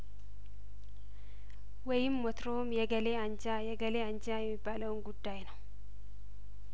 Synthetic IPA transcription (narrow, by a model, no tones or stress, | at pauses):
wɔjɪmːɔt̪ɾomjɛɡəleaɲd͡ʒajɛɡəleaɲd͡ʒajɛmːɪbːaːləwnɡud̪ːajnəw